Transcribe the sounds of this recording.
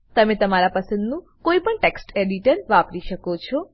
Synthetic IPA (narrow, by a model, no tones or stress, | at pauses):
t̪əmẽt̪əmaɾapəsə̃nd̪nũ | koipəɳʈeksʈeɖiʈəɾʋapɾiʃəkot͡ʃʰɔ